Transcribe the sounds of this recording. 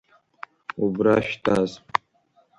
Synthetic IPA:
ubɾaʃtʰʼaz

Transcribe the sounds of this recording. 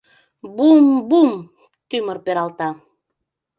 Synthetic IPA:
bumbum | t̪ymərpeɾɑlt̪ɑ

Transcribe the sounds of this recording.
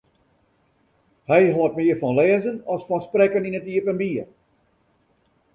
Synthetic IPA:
hɛjɦoət̚mɪərfɔnlɛːəzənɔsfɔnsprɛkəninətiəpənbiər

